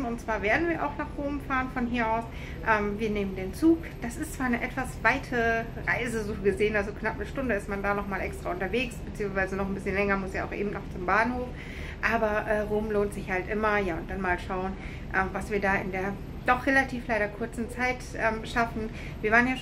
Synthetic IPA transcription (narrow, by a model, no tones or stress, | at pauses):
ʊntt͡sv̥aːɐveːɐdn̩viːɐʔa̰ʊxnaːχʁoːmfaːʁənfɔnɦiːɐʔaʊs | ʔɛːmviːɐneːməndeːnt͡suːk | d̥asɪstt͡sv̥aːɐnəʔɛtv̥asv̥aɪtʰə | ʁaɪzəzoːɡəzeːənalzoknapnəʃtʊndəɪstmandaːnɔχmaːlʔɛ̰kstʁ̥aːʊntɐveːksb̥ət͡siːʊŋsv̥aɪzənɔχn̩bɪsçənlɛŋɐmʊsaːa̰ʊxʔḛːbm̩tnɔχt͡sʊmbaːnhoːf | ʔaːbɐʔɛːʁoːmloːntz̥ɪçhaltʔɪmɐjaːʊnt̚d̥anmaːlʃaʊən | ʔɛːmvasv̥iːɐdaːɪ̰ndeːɐ | d̥ɔχʁ̥elatʰiːflaɪɾɐkʰʊɐt͡sn̩t͡saɪtʔɛːmʃafn̩ | viːɐvaːʁənjaː